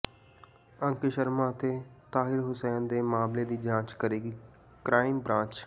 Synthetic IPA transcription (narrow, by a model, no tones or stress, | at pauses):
ə̃ŋkɪʃəɾmãːt̪eːt̪aːɦɪɾɦʊsɛːnd̪eːmaːmleːd̪iːd͡ʒãːt͡ʃkəɾeːɡiː | kɾaːɪmbɾãːt͡ʃ